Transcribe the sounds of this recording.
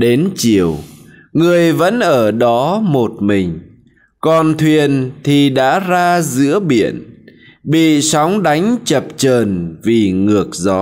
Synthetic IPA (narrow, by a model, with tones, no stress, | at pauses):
ɗe˨˦nt͡ɕi˨˩əw | ŋɨ˨˩əjvə̰˧˥nʔəː˧˩ɗɔ˨˦mo˨˩t̚mï˨˩ŋ̟ | kɔ˨˩nt̪ʰwi˨˩ənt̪ʰi˨˩ɗa̰ː˧˥zaː˧zɨ̰˧˥əɓḭ˧˨ən | ɓḭ˧˨sɔ˨˦wŋ͡mɗa˨˦jŋ̟t͡ɕə˨˩p̚t͡ɕəː˨˩nvi˨˩ŋɨ˨˩ək̚zɔ˨˦